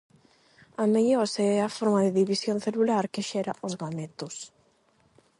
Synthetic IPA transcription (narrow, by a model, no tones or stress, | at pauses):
ameʎoɾseɛafoɾmaðɪðiβisjonθelulaɾkɪʃɛɾaʔʊzɣamet̪ʊs